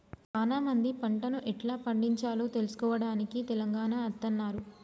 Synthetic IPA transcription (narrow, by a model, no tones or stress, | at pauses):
t͡ʃaːnaːmɐnd̪ipɐɳʈɐnuʔɛʈlaːpɐɳɖiɲt͡ʃaːloːt̪elusu̥kɔːʋɐɽaːnikit̪ɛlɐŋɡaːnaɐt̪ːɐnːaːɾu